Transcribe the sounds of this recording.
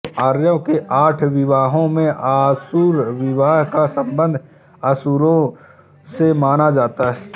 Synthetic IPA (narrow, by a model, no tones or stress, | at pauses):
aːɾjəkeʔaːʈʰʋɪʋaːɦõmẽʔaːsuːɾʋɪʋaːɦkasə̃mbə̃nd̪ʱ | aːsuːɾõ | semaːnad͡ʒaːt̪aɦɛː